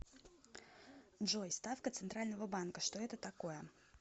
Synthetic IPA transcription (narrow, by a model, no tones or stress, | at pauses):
dʐojst̪afkət̪sɨnt̪ɾalʲnəvəbankəʂt̪oɛt̪ət̪ɐkojə